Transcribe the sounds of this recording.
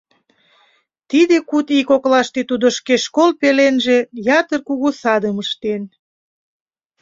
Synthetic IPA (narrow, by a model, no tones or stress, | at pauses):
t̪id̪ekut̪ikoklɑʃt̪et̪ud̪oʃkeʃkolpelenʒe̽jɑt̪ərkuɣusɑd̪əməʃt̪en